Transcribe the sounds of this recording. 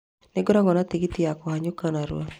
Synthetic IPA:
nɪɡɔɾɔɡɔnat̪iɡit̪iakɔhaɲokanaɾw̰o̰

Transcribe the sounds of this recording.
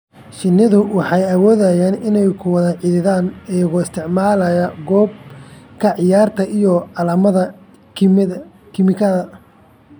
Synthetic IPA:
ʃɪnːɪðʊwɑħɑjɐwɔːðɐjaːnɪnɛjkʰʊwɑðɐʕɪðɪðaːnɛjɣʊɪst̪ʰɪʕmaːlɐjɐɡɔːb̚kʰɐʕɪjaːrt̪ʰɐʔijɔʕɑlɐːmɐðɐ | kʰɪmɪkʰɐðɐ

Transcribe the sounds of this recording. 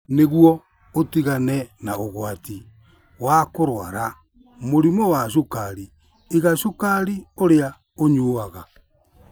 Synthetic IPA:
neɣwɔ | otiɣanɛnaoɣwati | wakoɾwa̰ɾa | moɾimɔwaʃ̬okaɾi | iɣaʃokaɾioɾea | oɲoːaɣa

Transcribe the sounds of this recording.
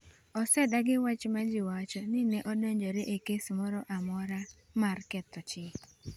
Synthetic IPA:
ɔsɛdaɡɪwat͡ʃmad͡ʒɪwat͡ʃɔnɪnɛʔɔdoɲd͡ʒoɾeʔekesmɔɾɔʔamɔɾa | markɛt̪ɔt͡ʃɪ

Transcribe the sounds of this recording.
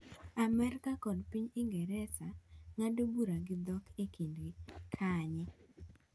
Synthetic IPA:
amɛrkakɔdpiɲɪŋɡɛɾɛsaŋadobuɾaɡɪd̪ɔkʰekindɡikʰaɲɪ

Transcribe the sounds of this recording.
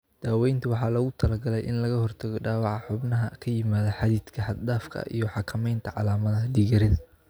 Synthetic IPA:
d̪̥aːwɛjnt̪ʰʊwɑħɑːlɐɣʊt̪ʰɐlɐɡɐlɛjʔɪnlɐɣɐhɔrt̪ʰɐɣɔɖaːwɑʕɑħʊbnɐɦɐkʰɐjɪmaːðɐħɑðiːd̪̥kʰɐhɑd̪d̪aːfkʰɐ̰ʔḭjɞħɑkʰɐmɛjnt̪ʰɐʕɑlaːmɐðɐd̪iːɣɐɾɪðɐ

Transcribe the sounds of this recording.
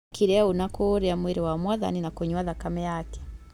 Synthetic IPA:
kiɾɛaonakoɾeamweɾewamwaða̰ninakoɲwaðakamɛjakɛ̥

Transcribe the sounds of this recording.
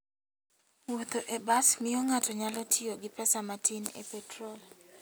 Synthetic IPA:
wot̪oʔebasmɪjoŋatɔɲalɔtʰioɡɪpɛsamatʰinḛpɛtɾol

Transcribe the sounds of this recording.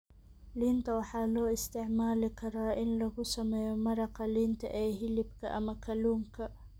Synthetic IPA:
liːnt̪ʰɐwɑħɑːlɔːɪst̪ʰɪʕmaːlɪkʰɐɾaːʔɪnlɐɣʊsɐmɛːjɔmɐɾɑqɐliːnt̪ʰɐ̰ʔɛːɦɪlɪbkʰɐ̰ʔɐmɐkʰɐluːŋkʰɐ

